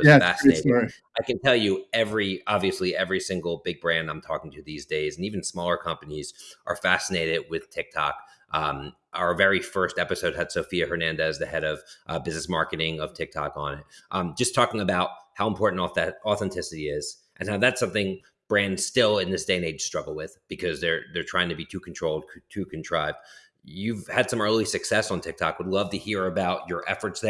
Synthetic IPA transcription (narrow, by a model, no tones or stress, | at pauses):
wʌæfæsneɪɾ | aɪkɨ̃ntʰɛlˠjɨɛvɹiɑbviɨsliɛvɹisɪ̃ŋɡl̩ˠbɪɡ̚bɹæ̃ndãɪ̃mtʰɔkɪ̃ŋtʰɨðizdeɪznivɨ̃n̩smɔlˠə˞kʰʌ̃mpɨniz̥ʔə˞fæsɨneɪɾɪd̚wɪð̥tʰɪk̚tʰɑ̰kʔʌ̃m | ʔaʊə˞vɛɹifɜ˞stɛpɨsoʊd̚hɨd̥soʊfiɨhə˞næ̃ndɨzðɨhɛɾʌv̥ʔʌbɪznɨsmɑɹkɨɾɪ̃ŋʌv̥tʰɪk̚tʰɑ̰kn̩ɪt̚ʔʌ̥d͡ʒʌstʰɔkɪ̃ŋɨbaʊt̚haʊə̃mpʰɔɹʔn̩tɔθɛ̃ntʰɪsɨɾiɪz̥ | ʔɨ̃nːaʊðætsʌ̃mθɪ̃ŋ | b̥ɹæ̃ndstɪlˠɪ̃nðɪsd̥eɪ̃neɪd̥stɹ̥ʌɡl̩ˠwɪð̥b̥ɨkʰʌzðə˞ðə˞tʰɹ̥aɪɪ̃ŋtʰɨbitʰʉkʰn̩tʰɹ̥oʊlˠd̚kʰtʰʉkʰn̩tʰɹ̥aɪv̚d̚ | jʉv̥ɨd̥sʌ̃mɜ˞lˠisɨksɛsn̩tʰɪk̚tʰɑ̰kwədˡlʌvtɨhiɹɨbaʊt͡ʃə˞ʔɛ̰fə˞tsðɨ